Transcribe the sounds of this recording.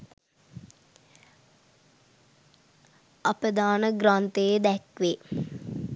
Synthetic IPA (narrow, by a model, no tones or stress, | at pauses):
apəd̪aːnəɡɾaːnt̪ejəd̪ɛkʋe